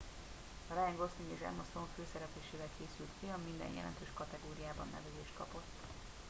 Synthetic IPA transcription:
ɒɾɛjɛŋɡo̞st̪iŋɡeːʃɛ̰mɒst̪oɱføːsɛɾɛpeːʃeːvɛlkʰeːsylt̪kiɒmind̪ɛ̰njɛ̰lɛ̰nt̪øːʃkɒt̪ɛɡoːɾijaːbɒnːɛ̰vɛzeːʃt̪̚kɒpo̞t̪ː

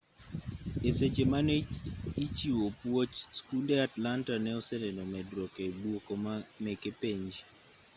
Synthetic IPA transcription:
eset͡ʃemaneit͡ʃiwopwot͡ʃskulɛatlantanɛɔsɛlɛnɔmɛdɾɔkebwokɔmamɛkepeɲd͡ʒ

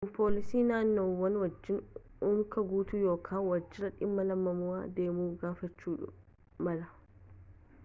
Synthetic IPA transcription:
pʰolisinanɔwɐnwɐd͡ʒːinunkaɡuːtujɔkʰawɐd͡ʒːiɾɐɗimːɐlɐmːɐmuwa̰dɛmuɡafɐt͡ʃːuːɗṵ | mɐla

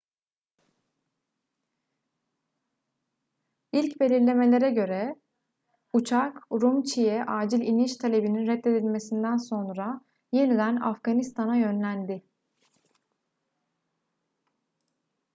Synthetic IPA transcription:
ilʲcbe̞lʲiɾlʲe̞me̞lʲe̞ɾɛɟø̞ɾɛ | ut͡ʃʰakɾumt͡ʃʰijɛʔaːd͡ʒilʲiniʃt̪ʰalʲe̞bininɾɛt̪ːe̞d̪ilʲme̞sind̪ænso̞nɾa | je̞nid̪æna̰fɡ̥anist̪ʰanajø̞nlʲænd̪ɪ

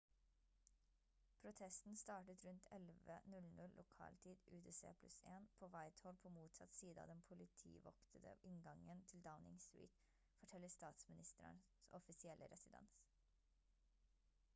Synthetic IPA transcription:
pʰɾʊt̪ʰɛst̪n̩st̪ɑːʈət̪ɾʉnt̪ʰɛlʋənʉlnʉllʔʊkʰɑ̰ːlt̪ʰiːd̪ʉːd̪eːsḛːpʰlʉ̰seːnpʰoːʋæɪt̪hɔlpʰoːmuːt̪sɑt̪siːd̪əɑ̰ːd̪ɛnpʰʊlɪt̪ʰḭːʋɔkt̪ʰəd̪ə̰ɪŋɡɑŋənt̪ʰɪld̪aʊnɪ̰ŋsɾḭːt̪ | fɔʈʰɛlːəst̪ɑːt̪smɪnɪst̪əɾə̰n | sɔfɪsɪɛlʔə̰ɾɛsɪd̪ɛ̰ns

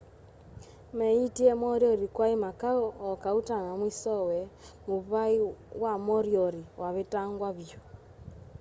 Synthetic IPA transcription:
mɛitiɛmɔɾjɔɾikwaimakaːkautaŋamwisɔwɛmuβaiwamɔɾjɔɾiwʔaβetaŋɡwaβjo

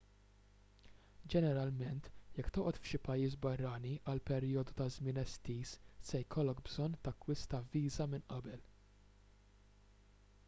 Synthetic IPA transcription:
d͡ʒɛnɛɾɐlmɛnt̪jɛkːt̪ɔːʔɔt̪fʃɪpɐjːiːs̬bɐrːɐniʔɐlpɛɾjɔːd̪ut̪ɐzmɪːnɛst̪iːssɛjkʰɔlːɔkbzɔnːt̪ɐkːwɪst̪ɐviːzɐmɪnʔɐbɛl

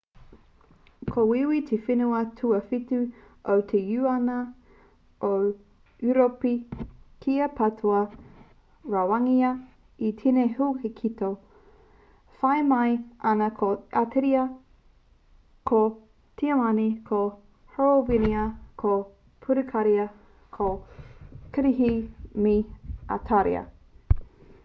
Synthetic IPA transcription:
kʰowiwit̪ʰefinuɐtʰuɐfitʉ | ʔowt̪ʰejʉɐnɐ | ʔo | uɾopikʰiɐpʰɐtʰuɐ | ɹawɐŋiɐ | it̪ʰinehuhekʰito | fɐjmɐjʔɐnɐkʰoʔatʰeɾiɐ | kʰo | tʰiɐmɐnikʰo | hooviniɐkʰo | pʰuɾukʰaɾiɐ | kʰo | kɐɾiɦimia̰tʰaɾḭɐ̰

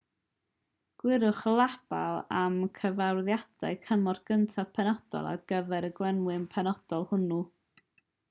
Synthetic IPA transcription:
ɡ̥wɪɾʊχlˠab̥a̰lˠamkʰəvawðjad̥aɨkʰəmɔrɡ̥əntʰapʰɛnɔd̥ɔ̰lˠa̰dɡ̥əvɛɾəɡwɛnwɨmpʰɛnɔd̥ɔlˠhʊnu

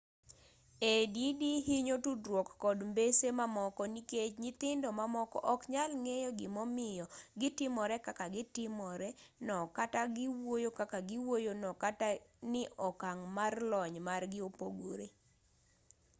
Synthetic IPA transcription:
edidiɦiɲotudɾwokːɔdmbesemamɔkɔniket͡ʃɲɪt̪ɪndomamɔkɔ̰ʔɔkɲalŋejɔɡɪmɔmɪjɔɡɪtɪmɔɾɛkakaɡɪtɪmɔɾɛnɔkataɡɪwojokakaɡɪwojonɔkatanɪʔɔkaŋmarlɔɲmarɡɪopoɡoɾḛ

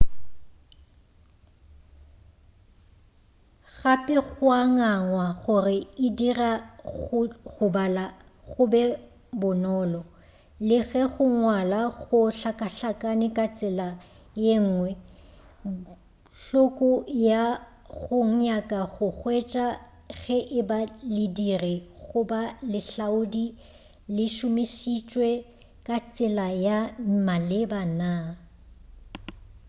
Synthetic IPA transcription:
ɣapʼɪɣʊaŋaŋwaɣʊrɪɪdira | ɣʊbala | ɣʊbɛ | bʊnɔːlɔ | lɪɣɛɣʊŋwalaɣʊɬakʼaɬakʼanɪkʼat͡sʼɪla | jeŋ̩ːŋwɛ | ɬʊkʼʊja | ɣʊŋ̩ɲakʼaɣʊɣwɛt͡ʃʼa | ɣɛʔɪbalidirɪɣʊbalɪɬaʊdi | lɪʃʊmɪsit͡ʃʼwɛ | kʼat͡sʼɪlajamalɪbana

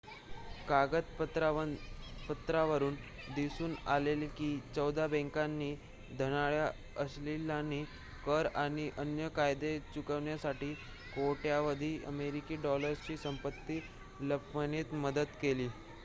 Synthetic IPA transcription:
kaɡət̪pət̪ɾa | pət̪ɾaʋəɾuːn | d̪isuːnalelkiːt͡səwd̪abɛ̃ŋkanːiː | d̪ʱəñaɭja | əslilanːiː | kəɾaɽ̃iʔənjəkajd̪et͡ɕukəʋɳjasaʈiː | koʈjaʋəd̪ʱiːə̰meɾikiːɖɔləɾst͡ɕiːsəmpət̪ːiː | ləpməniːt̪məd̪əd̪keliː

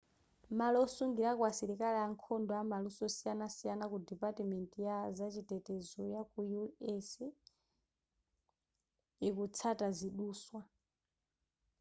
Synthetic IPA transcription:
malɔsuŋɡiɾakwasiɾikalɛaŋkʰɔndɔamalusɔsijanasijanakudipatimɛntʼijazat͡ʃitɛtɛzɔjakujuɛs | ɛkut͡sʰataziɗuːswa

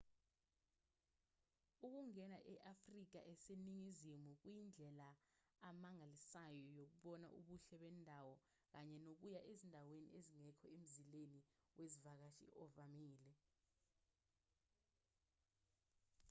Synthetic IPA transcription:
uk̬uŋɛnaʔɛʔafrik̬a̰ʔɛseniŋizimuk̬wjind͡ɮʱɛlaː | maŋalisajɔjok̬uɓɔna̰ʔuɓuɬɛɓɛndʱawɔ | k̬aɲɛnok̬ujaʔezindʱawenḭeziŋɛkʰɔem̩zileniwʔezivak̬aʃḭʔɔvamiːlɛ

